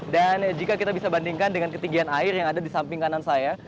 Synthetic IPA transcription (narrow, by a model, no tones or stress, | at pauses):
dand͡ʒikakit̪abisabandiŋkandəŋankət̪iɡianaɪrjaŋadadisampɪŋkanansaja